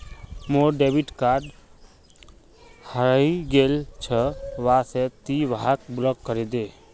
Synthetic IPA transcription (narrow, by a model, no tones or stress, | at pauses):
moɾɖebiʈkaɾɖ | həɾəiɡelt͡ʃʰəʋaset̪iʋaɦak̚blɔkːəɾed̪e